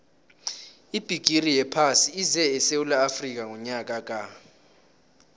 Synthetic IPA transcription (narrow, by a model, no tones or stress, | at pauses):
ib̥ʱiɡ̥ʱirijɛpʰasiizɛɛsewulaːfrik̬ʼaŋɔɲak̬ʼak̬ʼa